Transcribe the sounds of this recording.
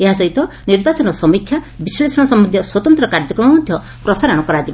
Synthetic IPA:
eɦasɔɦit̪ɔ | niɾbat͡ʃɔnɔsɔmikʰja | bisɔɭisɔɽɔsɔmːɔnd̪jɔswɔt̪ɔnt̪ɾɔkaɾd͡ʒɔkɾɔmɔmɔd̪ʱjɔ | pɾɔsaɾɔɽ̃ɔkɔɾad͡ʒib

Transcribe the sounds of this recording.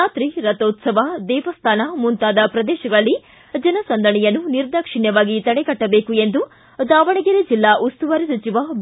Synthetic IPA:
aːt̪ɾiɾɐt̪oːt̪sɐʋɐd̪ɛːʋɐst̪ʰaːnɐmunt̪aːd̪ɐpɾɐd̪ɛːʃɐɡɐɭɐlːi | d͡ʒɐnɐsɐnd̪ʱɐɳɛjɐnːuniɾd̪ʱɐkʂiɳjɐʋaːɡit̪ɐɽɛkɐʈːɐbeːkue̞nd̪u | d̪aːʋɐɳiɡeɾed͡ʒilːaʔust̪uʋɐɾisut͡ʃiʋɐb

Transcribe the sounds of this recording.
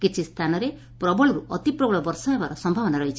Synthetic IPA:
kit͡ʃʰist̪ʰanɔɾe | pɾɔbɔɭɔɾuʔɔt̪ipɾɔbɔɭɔbɔɾsɔmebaɾɔsɔmbʱabɔnaɾɔɦit͡ʃʰi̥

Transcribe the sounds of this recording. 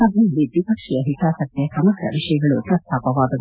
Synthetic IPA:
ɐbʱɐjulːid̪ʋipɐkʂijɐɦikaːsɐt̪jɐsɐmɐɡɾɐ̰ʋiʂɐjɐɡɐɭut̪ɾɐt̪ːʰaːpɐʋaːd̪ɐ

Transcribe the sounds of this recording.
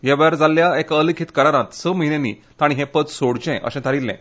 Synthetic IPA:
jɛʋjaɾd͡zalːjaekəlikʰit̪kəɾaɾãt̪səməɦinẽnḭ | t̪aɽ̃iɦɛ̃pət͡ssoɽt͡ɕɛ̃ʔə̰ɕɛ̃t̪ʰaɾilːɛ̰̃

